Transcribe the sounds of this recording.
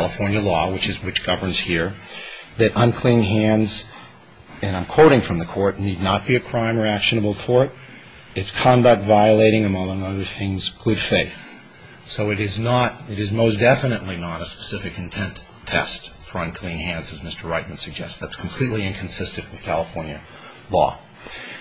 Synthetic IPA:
ælˠəfɔɹnjɨlɔwɨt͡ʃɨzwɨt͡ʃɡ̥ʌvə̃˞nz̥hiɹðɨɾʔʌ̃nkʰl̥ĩnɦæ̃ndz | ɨ̃nãɪ̃mkʰw̥oʊɾɪ̃ŋfɹʌ̃mðɨkʰɔɹtⁿnidⁿnət̚b̥iɨkʰɹ̥ãɪ̃mɹiækʃɨnəbl̩ˠtʰɔɹɾ | ɨtskʰɑ̃ndək̚tvaɪɨleɪɾɪ̃ŋɨmʌ̃ʌ̃ŋʌðə˞θɪ̃ŋzɡ̥ʊd̥feɪθ | soʊɨɾɪznəɾɨɾɨzmoʊsd̥ɛfɨnɨʔˡlinəɾɨspə̥sɪfɨkɨ̃n̩tʰɛ̃ntʰɛ̰stfə˞ʌ̃nkʰl̥ĩnɦæ̃ndzɨzmɪstə˞ɹaɪt̚mɨ̃nsɨɡ̚d͡ʒɛ̰stsðætskʰm̩pʰl̥itˡliɨ̃nkʰn̩sɪstɨ̃nʔwɨð̥kʰælˠəfɔɹnjɨ | lɔ̰

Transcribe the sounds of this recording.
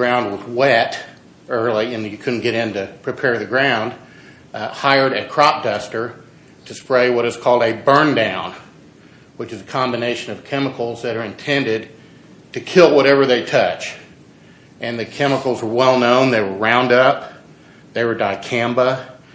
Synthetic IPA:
ɡɹãʊ̃nd̚wʌzwɛɾ | ɜ˞lˠiɨ̃njɨkʰʊdⁿn̩ɡ̥ɛɾɪ̃ntɨpʰɹ̥ipʰɛɹðɨɡɹãʊ̃nd̥̚ | haɪə˞ɾɨt̚kʰɹ̥ɑp̚d̥ʌstə˞ | ɾɨspɹeɪwʌɾɨz̥kʰɔlˠdɨbɜ̃˞ndãʊ̃n | wɨt͡ʃɨzɨkʰɑ̃mbɨneɪʃɨ̃nʌv̥kʰɛməkl̩ˠzðɨɾə˞ɨ̃ntʰɛ̃ndɪd̚ | tʰɨkʰɪlˠwʌɾɛvə˞ðeɪtʰʌt͡ʃ | ʔɨ̃nðɨkʰɛməkl̩ˠzwə˞wɛlˠnõʊ̃nðeɪwə˞ɹãʊ̃ndʌp̚ | ðeɪwə˞daɪkʰæ̃mbə

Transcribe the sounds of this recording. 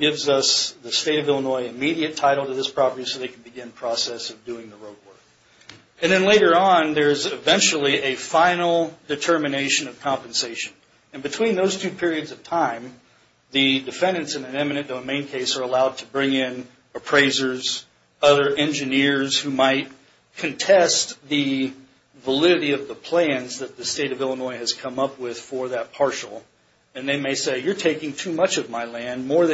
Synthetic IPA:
ɡ̥ɪvzʌsðɨsteɪɾʌvɪlˠənɔɪɨmiɾiɨtʰaɪɾl̩ˠtɨðɪspʰɹ̥ɑpə˞isoʊðeɪkʰn̩bɨɡɪ̃npʰɹ̥ɔsɛsʌvdʉɪ̃ŋðəɹoʊd̚wɜ˞k | ɨ̃nðɨ̃nleɪɾə˞ə̃nðə˞ɨzɨvɛ̃nt͡ʃl̩ˠiʔɨfãɪ̃nl̩ˠdɨtʰɜ˞mɨneɪʃɨ̃nʌv̥kʰɑ̃mpɨ̃n̩seɪʃɨ̃n | ɨ̃nbɨtʰw̥ĩnðoʊz̥tʰʉpʰɪɹiɨdzʌv̥tʰãɪ̃m | ðɨdɨfɛ̃ndɨ̃ntsɨ̃nɨ̃nɛmɨnɨ̃nd̥oʊmẽɪ̃nkʰeɪsə˞əlaʊd̚tʰɨbɹɪ̃ŋɪ̃n | əpʰɹ̥eɪzə˞z | ʌðə˞ʔɛ̃nd͡ʒɨnɪɹz̥hʉmaɪt̚ | kʰɨ̃ntʰɛst̪ðɨ | vəlɪɾɨɾiʌvðəpʰl̥æ̃nzðɨt̪̚ðɨsteɪɾʌvɪlˠənɔɪɨz̥kʰʌ̃mʌpwɪð̥fə˞ðɨt̚pʰɑɹʃl̩ˠ | ɨ̃nðeɪmeɪseɪjə˞tʰeɪkɪ̃ŋtʰʉmʌt͡ʃʌvmaɪlæ̃nmɔɹðɨ

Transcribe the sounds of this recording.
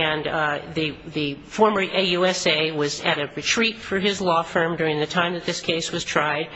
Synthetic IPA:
ɨ̃nðɨðɨfɔɹmə˞ʔejuɛseɪwʌzɨɾɨɹɨtʰɹ̥itfə˞ɪzlɔfɜ̃˞mdʊɹɪ̃ŋðɨtʰãɪ̃mðɨt̪̚ðɪskʰeɪswʌz̥tʰɹ̥aɪd̥̚

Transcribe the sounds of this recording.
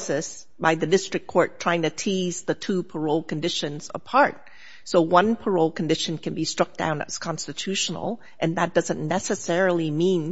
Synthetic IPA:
sɨs | b̥aɪðɨdɪstɹ̥ɨk̚kʰɔɹtʰɹ̥aɪɪ̃ŋtʰɨtʰizðɨtʰupʰə˞oʊlˠkɨ̃n̩dɪʃɨ̃nz̥ə̰pʰɑɹt̚ | soʊwʌ̃npʰə˞oʊlˠkn̩dɪʃɨ̃n̩kʰɨ̃nbistɹ̥ʌk̚d̥ã̰ʊ̃nɨ̰z̥kʰɑ̃nstɨtʰʉʃn̩l̩ˠ | ʔɨ̃nðət̚d̥ʌzɨ̃nːɛsɨsɛɹl̩ˠimĩn

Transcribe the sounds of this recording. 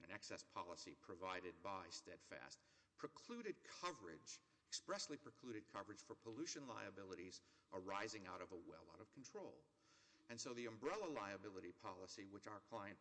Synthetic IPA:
ɨ̃nɛksɛspʰɑlˠəsipʰɹ̥ɨvaɪɾɨd̚baɪstɛd̥fæ̰st̚ | pʰɹ̥ɨkʰl̥ʉɾɨd̚kʰʌvə˞ɪ̰d͡ʒ | ɨkspɹɛslipʰɹ̥əkʰl̥ʉɾɨd̚kʰʌvə˞ɨd̥ʒ̥fə˞pʰəlʉʃɨ̃nla̰ɪɨbɪlˠəɾiz | ʔə˞aɪzɪ̃ŋaʊɾʌvəwɛ̰lˠaʊɾʌv̥kʰn̩tʰɹ̥oʊlˠ | ɨ̃nsoʊðiɨ̃mbɹɛlˠəlaɪɨbɪlˠəɾipʰɑlˠəsiwət͡ʃaʊə˞kʰl̥aɪɨ̃n

